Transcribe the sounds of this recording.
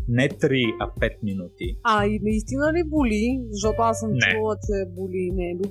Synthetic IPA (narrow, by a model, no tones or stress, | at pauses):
nɛt̪ɾiɐpɛt̪̚minut̪iainɐist̪inəlibulizɐʃ̬t̪ɔt̪oasəmnɛlˠəsɛbulinɛbi